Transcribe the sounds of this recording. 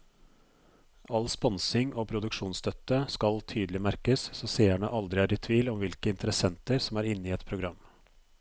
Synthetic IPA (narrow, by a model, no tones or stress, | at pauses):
ɑlspɔnsɪŋʔoːpʰɾʊd̪ʉkʂuːnst̪ʰœt̪ːəskɑlt̪ʰyːd̪əlɪmæɾkəssoːseːæɳə̰ʔɑld̪ɾɪæːɾɪt̪ʰʉiːlɔmʋɪlkəɪnt̪əɾəsɛnt̪əɾsɔmæːɾɪnːiːɛt̪pʰɾʊɡɾɑmː